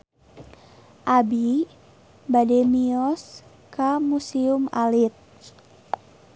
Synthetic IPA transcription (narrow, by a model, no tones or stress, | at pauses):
ʔabi | bademiɔs | kamusiumalit̪̚